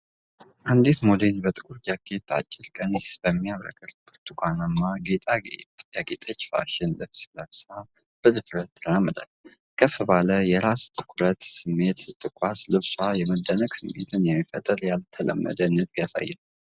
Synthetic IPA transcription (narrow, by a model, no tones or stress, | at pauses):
ʔand̪et̪molenbət̪ʼɨkʼuɾd͡ʒakʰːe̞t̪ʰːa̰t͡ʃʼːɪlkʼənesbəmːijaβɾə̰kʼəɾkʰɨɾt̪ʰukʷʰanamːaɡe̞t̪ʼaɡḛt̪jaɡet̪ʼət͡ʃːfa̰ʃɪnlɨβsɨləβsa | b̥ɨlɨfɾət̪ːɨɾamːɨd̪a̰l | kʰəfɨβaləjɛɾast̪ʰɨ̥kʼuɾət̪sɨmːe̞t̪sɨt̪ʰːɨkʷʼaslɨβswajɛməd̪ːənəɡ̥sɨmːḛt̪ʰɨnjɛmːifə̰t̪ʼəɾjalt̪ʰələ̰mːə̰d̪ənɨd̪bjasa̰jːɛn